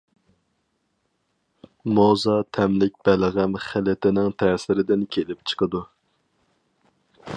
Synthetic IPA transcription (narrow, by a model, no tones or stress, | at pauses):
mozɑt̪ʰɛmlɪk̚ʲb̥ɛlʁæmχælɪt̪ɪnɪŋt̪ʰɛːsɪɾɪd̪ɪnkʲʰelɪp̚t͡ʃʰə̥qʰəd̪u